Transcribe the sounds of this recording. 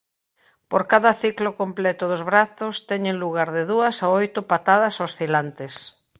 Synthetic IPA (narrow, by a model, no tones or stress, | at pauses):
poɾkaðɐθiklokomplɛt̪ʊðʊzβɾaθʊst̪ɛɲeŋluɣ̞aɾðɪðuɐsaojt̪ʊpat̪aðɐsosθilant̪ɪs